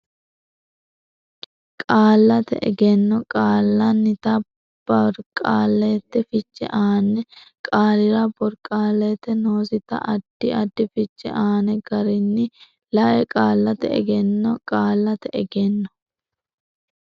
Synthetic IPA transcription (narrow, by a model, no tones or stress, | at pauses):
kʼaːlːɐt̪ɛ̰ʔɛ̰ɡɛnːɔkʼaːlːɐnːɪt̪ɐ | b̥ɐɾkʼaːlːɛt̪ːɛfɪt͡ʃːɛ̰ʔaːnɛkʼaːlɪɾɐbɔɾkʼːaːlːet̪ːɛno̞ːsɪt̪ɐ̰ʔɐd̪̥ːɪɐd̪ːɪfɪt͡ʃːɛ̰ʔaːnɛɡɐɾɪnːɪ | lɐʔɛkʼaːlːɐt̪ɛɛ̰ɡɛnːɔkʼaːlːɐt̪ɛɛɡɛnːɔ̥